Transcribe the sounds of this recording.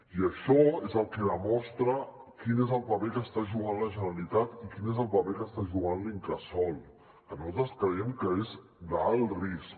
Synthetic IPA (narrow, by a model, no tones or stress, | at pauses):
iəʃɔezəlˠkɛðəmɔst̪ɾə | kinezəlˠpəpekəst̪aʒuɣ̞anləʒənəlit̪at̪ikinezəlˠpəpekəst̪aʒuɣanliŋkɾəsɔlˠ | ənɔt̪əskɾəɛmkəez | d̪alˠris